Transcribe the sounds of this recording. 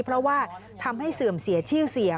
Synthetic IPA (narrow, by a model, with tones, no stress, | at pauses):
pʰɾɔ˦˥waː˥˩ | t̪ʰa˧mha˥˩jsɯ˨˩əmsi˨˩˦ɐt͡ɕʰɯː˥˩si˩˦ə